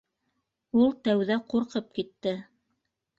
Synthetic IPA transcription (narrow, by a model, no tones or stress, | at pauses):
ulˠt̪æwðæquɾqɤp̚kit̪ːɘ